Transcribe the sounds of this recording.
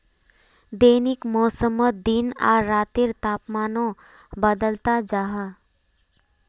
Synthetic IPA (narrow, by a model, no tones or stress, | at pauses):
d̪eːnɪkmɔːsəməd̪ina̰ːɾːaːt̪ɪɾt̪aːpmaːnõ | bəd̪əlt̪ad͡ʒaːɦə